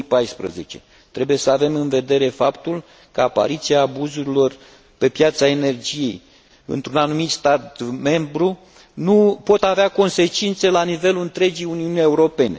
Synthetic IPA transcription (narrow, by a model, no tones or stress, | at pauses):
ipajspɾə̰ze̞̰t͡ʃe̞̰ | t̪ɾe̞buje̞səave̞mɨnve̞d̪e̞ɾe̞fapt̪ul | kəapa̰ɾit̪siaːbuzuɾilo̞r | pe̞pjat̪saene̞rd͡ʒije̞j | ɨ̰nt̪ɾunanumit̪st̪at̪me̞mbɾu | nupo̞t̪aveako̞nse̞t͡ʃint̪se̞lanive̞luɨnt̪ɾe̞d͡ʒijuniunije̞uɾo̞pe̞nḛ